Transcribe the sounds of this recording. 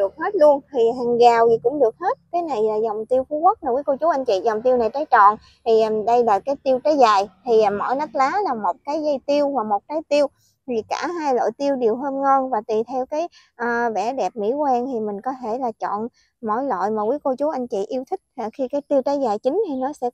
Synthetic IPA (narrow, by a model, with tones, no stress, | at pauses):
ɗɨ˨˩ək̚he˦˥t̚lu˧ənt̪ʰi˨˩ɦaː˨˩ŋɣaː˨˩wzi˨˩kʊ̰˧˥ŋ͡mɗɨ˨˩ək̚he˦˥t̚kaː˨˦jna˨˩jlaː˨˩zɔ˨˩wŋ͡mt̪i˧əwku˨˦kə˦˥t̚maː˨˩kwi˨˦ko˧t͡ɕu˨˦ʔa˧jŋ̟t͡ɕḭ˧˨zɔ˨˩wŋ͡mt̪i˧wna˨˩jt͡ɕaː˨˦jt͡ɕɔ̰˧˨n | t̪ʰi˨˩ʔɗə˧jlaː˨˩kaː˨˦jt̪i˧əwt͡ɕaː˨˦jzaː˨˩jt̪ʰi˨˩˨mɔ̰˧˩˨jnə˦˥t̚laː˨˦laː˨˩mo˨˩t̚kaː˨˦jzə˧jt̪i˧əwvaː˨˩mo˨˩t̚kaː˨˦jt̪i˧əw | t̪ʰi˨˩kaː˧˩ɦaː˧jlo̰˧˨jt̪i˧əwɗi˨˩əwɦəː˧nŋɔ˧nvaː˨˩t̪i˨˩t̪ʰɛ˧wkaː˨˦j | ʔəː˨˩vɛ˧˩ɗɛ˨˩p̚mḭ˧˥kwɛ˧nt̪ʰi˨˩mï˨˩ŋ̟kɔ˨˦t̪ʰe˧˩laː˨˩t͡ɕɔ̰˧˨n | mɔ̰˧˥˩jlo̰˧˨jmaː˨˩kwi˨˦ko˧t͡ɕu˨˦ʔa˧jŋ̟t͡ɕḭ˧˨ʔi˧əwt̪ʰï˦˥k̟̚a˨˩xi˧kaː˨˦jt̪i˧əwt͡ɕaː˨˦jzaː˨˩jt͡ɕï˨˦ŋ̟t̪ʰi˨˩nɔ˨˦sɛ̰˧˥